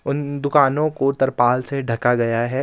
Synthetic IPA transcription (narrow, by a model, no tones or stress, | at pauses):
ʊnd̪ʊkaːnõkot̪ɐɾpaːlseɖʱɐkaɡɐjaɦɛː